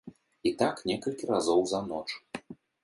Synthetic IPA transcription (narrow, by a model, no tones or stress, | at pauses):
it̪aknʲɛkɐlʲkʲiɾazɔwzɐnɔt͡ʂ